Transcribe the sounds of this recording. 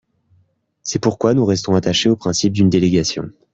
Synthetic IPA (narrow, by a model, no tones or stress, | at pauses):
sɛpuʁkwanuʁɛst̪ɔ̃at̪aʃeopχɛ̃sip̚d̪ynd̪eleɡʲasjɔ̰̃